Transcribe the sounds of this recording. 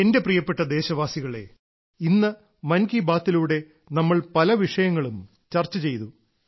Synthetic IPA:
e̞nde̞prijɐpːe̞ʈːɐd̪e̞ːɕɐʋaːsiɣɐɭe̞̰ | inːɨ | mɐnkibaːt̪ːiluːɽe̞ | nɐmːɐɭpɐlɐʋiʂɐjɐŋːɐɭum | t͡ɕɐrt͡ɕːɐt͡ɕe̞jt̪u

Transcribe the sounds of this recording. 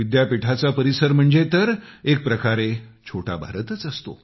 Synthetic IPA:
id̪japiʈʰat͡sapəɾisəɾm̤əɳd͡zet̪əɾek̚pɾəkaɾet͡ɕʰoʈʰa̰bʱa̰ɾət̪ət͡səst̪o̰

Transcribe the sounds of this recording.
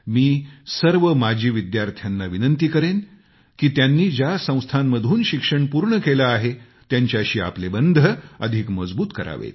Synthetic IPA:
miːsəɾʋəmad͡ʑʱiːʋid̪jaɾt̪ʰjanːaʋinənt̪iːkəɾen | kiːt̪janːiːd͡ʑjasə̃w̃st̪ʰanməd̪ʱuːnɕikʂəɳpuɾɳəkelaːɦe | t̪jaɲt͡ɕjaɕiːa̰plebənd̪ʱəəd̪ʱikməd͡zbuːt̪kəɾa̰ʋḛt̪

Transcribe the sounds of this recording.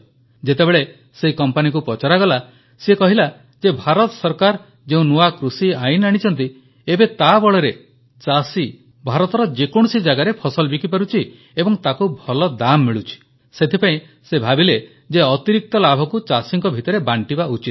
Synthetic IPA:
d͡ʒet̪ebeɭe | seikɔmpanik̬upɾɔt͡ʃaɾaɡɔla | sekɔɦila | d͡ʒebʱaɾɔt̪ɔsɔɾkaɾ | d͡ʒeũnuakɾusiajnaɽ̃it͡ʃʰɔnt̪̬i | ebet̪abɔɭeɾe | t͡ʃasi | bʱaɾɔt̪ɔɾɔd͡ʒekɔɽ̃ɔsid͡ʒaɡaɾepʰɔsɔlbikipaɾut͡ʃʰi | ebɔŋt̪akubʱɔlɔd̪amːiɭut͡ʃʰi̥ | set̪ʰipaĩ | sebʱabile | d͡ʒeɔt̪iɾik̚t̪ɔlabʱɔkut͡ʃasiŋkɔbʱit̪ɔɾebaɳʈibaut͡ʃit̪̚

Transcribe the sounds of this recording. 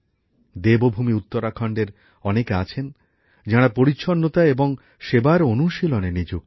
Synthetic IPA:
d̪ebobʱumiut̪ːoɾakʰɔɳɖeɾ | ɔnekeat͡ɕʰen | d͡ʑaɽ̃apoɾitːɕʰonːot̪aeboŋ | ʃebaɾonuʃilonenid͡ʑuk

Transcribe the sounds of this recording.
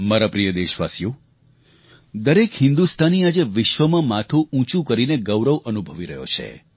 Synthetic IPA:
maɾapɾijəd̪eʃʋa̰sjo | d̪əɾekhɪ̃nd̪ust̪ʰaniad͡ʒeʋɪʃʋəmãmat̪ʰuũt͡ʃũkəɾineɡəʋɾəʋʔənubʱəʋiɾəɦjo̰t͡ʃʰḛ

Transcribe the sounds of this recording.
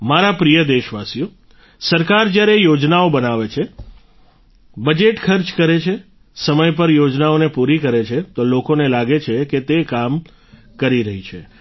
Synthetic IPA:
maɾapɾijəd̪eʃʋasijo | səɾkaɾd͡ʒjaɾejod͡ʒnaobənaʋet͡ʃʰe | bəd͡ʒeʈkʰəɾt͡ʃkəɾet͡ʃʰe | səməjp̬əɾjod͡ʒnaonepuɾikəɾet͡ʃʰet̪olokonelaɡet͡ʃʰeket̪ekam | kəɾiɾəɦit͡ʃʰe

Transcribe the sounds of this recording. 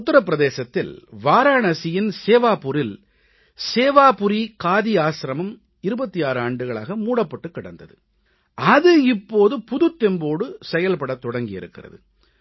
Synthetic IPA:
ʊt̪ːɪɾɐpːɪɾɐðeːsɐt̪ːɪlʋaːɾaːɳɐsɪjɪnseːʋaːpʊɾɪl | seːʋaːpʊɾikaːðiaːsɾɐmɐm | ɪɾɯbɐt̪ːijaːɾɯaːɳɖɯɣɐɭa̰ːɣɐmuːɽɐpːɐʈːɯkːɪɽɐ̰nd̪ɐðɯ | ʔɐðɯɪpːoːðɯpʊðɯt̪ːɛmboːɽɯsɛjɐlpɐɽɐt̪ːɔɽɐŋɡɪjɪ̰ɾɯkːɪrɐ̰ðɯ̰

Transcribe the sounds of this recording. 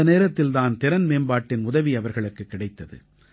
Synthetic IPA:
ɐneːɾɐt̪ːɪlt̪aːnt̪ɪɾɐnmeːnbaːʈːɪnʊðɐʋiɐʋɐɾɣɐɭɯkːɯkːɪɽɐɪt̪ːɐðɯ̰

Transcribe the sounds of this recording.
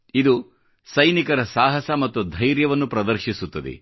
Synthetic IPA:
id̪u | sɐjnikɐɾɐsaːɦɐsɐmɐt̪ːud̪ʱɐjɾjɐʋɐnːupɾɐd̪ɐɾʃisut̪ːɐd̪ḛ

